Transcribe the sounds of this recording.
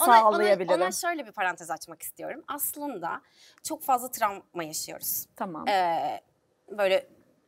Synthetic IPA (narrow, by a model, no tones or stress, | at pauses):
soaalˠajabilʲinʃø̞jlʲɛbipʰaɾant̪ʰɛzat͡ʃmaki̥st̪ʰijo̞̰ɾumaslˠɯnd̪a̰ | t͡ʃʰo̞kfazlˠat̪ʰɾammajaʃɯjo̞̰ɾuz̥t̪ʰama̰mɛ | bø̞jlʲɛ